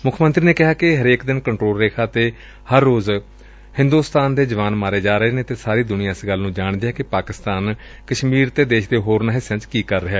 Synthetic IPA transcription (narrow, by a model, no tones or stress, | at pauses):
mʊkʰːmə̃nt̪ɾiːneːkɪɦaːkɪɦəɾeːkd̪ɪnkəɳʈɾoːleːkʰaːt̪eː | həɾːoːz | hɪ̃nd̪uːst̪aːnd̪eːd͡ʒəʋaːnmaːɾeːd͡ʒaːɾəɦeːnẽːt̪eːsaːɾiːd̪ʊnɪjãːsɡəlːnũːd͡ʒaːɳd̪ejaːkɪpaːkɪst̪aːn | kəʃmiːɾt̪eːd̪eːʃd̪eːɦoːɾnaːɦɪsə̃t͡ʃkiːkəɾːəɦeː